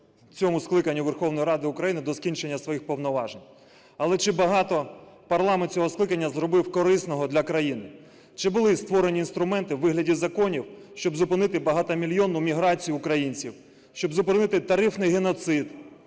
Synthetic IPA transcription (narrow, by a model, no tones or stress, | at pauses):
t͡sʲɔmʊsklˠɪkɐnʲːuʋerxɔwnɔjiɾɑd̪ɪʊkɾɐjinɪd̪ɔskʲinʲt͡ʃenʲːɐsʋɔjixpɔwnɔʋɑʒenʲ | ɐlˠɛt͡ʃɪbɐɦɑt̪ɔpɐrlˠɑmenʲt͡sʲɔɦɔsklˠɪkɐnʲːɐzɾɔbɪwkɔɾɪsnɔɦɔd̪lʲɐkɾɐjinɪ | t͡ʃɪbʊlˠɪst̪ʋɔɾe̞nʲiːnst̪ɾʊmɛnt̪ɪwːɪɦlʲɐdʲizɐkɔnʲiwʃt͡ʃɔbzʊpɪnɪt̪ɪbɐɦɑt̪ɐmʲilʲjɔnʊmʲiɦɾɑt͡sʲijʊːkɾɐjinʲt͡sʲiw | ʃt͡ʃɔbzʊpɪnɪt̪ɪt̪ɐɾɪfnɪjɦenɔt̪sɪd̪